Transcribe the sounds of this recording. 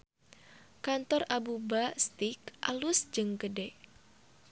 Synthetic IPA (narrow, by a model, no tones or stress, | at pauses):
kant̪ɔrabubast̪ikʔa̰lʊsd͡ʒɨŋkədɛʔ